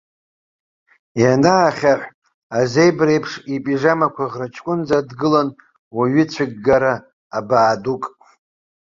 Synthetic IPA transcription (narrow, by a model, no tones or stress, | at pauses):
janaːχʲaħʷ | aze̞jbrejpʰʂipʼiʐamakʷʰaʁrat͡ʃʰkʷʼʊnd͡zadɡɨlan | waɥɪt͡ɕʷʰɪɡ̚ːaɾaː | baːdukʼ